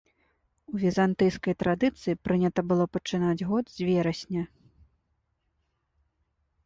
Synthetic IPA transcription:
uvʲizant̪ɨjskɐjt̪ɾad̪ɨt̪sɨjipɾɨnʲɐt̪ɐbɨlˠɔpɐt͡ʂɨnad͡zʲɣɔd̪zʲvʲɛɾɐsʲnʲɐ

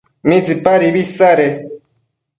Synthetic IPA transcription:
mid͡zipaɾibisaɾɛ

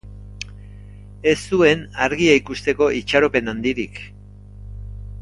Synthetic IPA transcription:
e̞st̪ue̞naɾɣiaikust̪e̞ko̞ʔit͡ʃaɾo̞pe̞nand̪iɾik

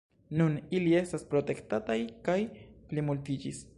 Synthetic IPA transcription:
nunilie̞st̪aspɾot̪e̞kt̪atajkajplimult̪id͡ʒis

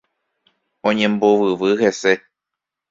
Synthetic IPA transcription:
õ̞ɲẽ̞mboʋɨʋɨhe̞se̞

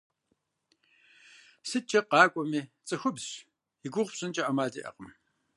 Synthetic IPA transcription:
sɨt͡ʃʼɐqɑːkʷʼɔmiːt͡sʼɨxʷʊbɕ | iɡʷʊʁʷpɕʼɪnt͡ʃʼɐʔɐmaːdḭːʔɐ̰qəm

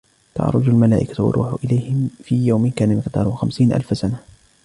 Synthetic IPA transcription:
t̪ɑ̰ʕɾˤʊ̰d͡ʒalmalaːʔɪkawɑ̰ɾˤṵːħʊ̰ʔɪlajhɪmfiːjawmɪnkaːnamɪqt̪ɑ̰ːɾˤuxamsiːnʔa̰lfsana

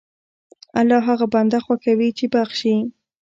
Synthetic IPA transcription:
alɑɦaɣaband̪axwakawit͡ʃebaxʃi

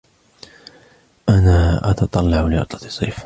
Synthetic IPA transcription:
ʔanaːʔɑ̰t̪ɑt̪ˤɑlːɑʕlɪʔɑ̰t̪ˤlɑt̪ɨ̥sˤːiːf

